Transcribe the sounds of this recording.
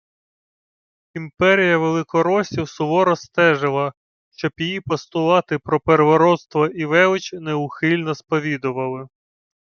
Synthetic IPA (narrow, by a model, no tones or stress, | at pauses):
impɛɾʲijɐʋelˠɪkɔɾɔsʲiwsʊʋɔɾɔst̪ɛʒɪlˠɐ | ʃt͡ʃɔpʲijipɔst̪ʊlˠɑt̪ɪpɾɔpeɾeʋɔɾɔt̪st̪ʋɐʔiʋɛʋɪt͡ʃnɛʊxɪlʲnɔspɔʋʲid̪ʊʋɐlˠɪ